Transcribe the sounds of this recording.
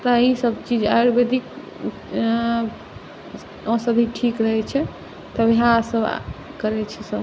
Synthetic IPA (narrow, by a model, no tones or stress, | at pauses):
t̪ɔisəb̚t͡ʃid͡ʒa̰joɾbed̪ik | ɔ̃səd̪ʱiʈʰikɾəɦɛt͡ʃʰɛ | t̪əbʱiɦasəb | kəɾɛt͡ʃʰɛsəb